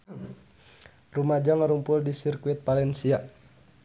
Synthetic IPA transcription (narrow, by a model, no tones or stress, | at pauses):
rumad͡ʒɔŋəɾumpʊldisirkuɪt̪̚palɛnsia